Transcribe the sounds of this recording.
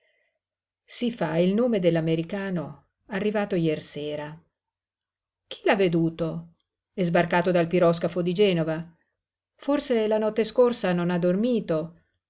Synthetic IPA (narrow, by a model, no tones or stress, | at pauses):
sifailnoːmed̪elːameɾikaːno | arːivaːt̪ojɛrseːɾa | k̟ʰi̥lavːed̪uːt̪o | ɛzbarkaːt̪od̪alpiɾɔskafod̪id͡ʒɛːnova | forselanɔt̪ːeskorsanonad̪ːormiːt̪o